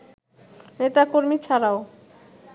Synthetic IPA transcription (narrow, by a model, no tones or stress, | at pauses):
net̪akoɾmit͡ɕʰaɾao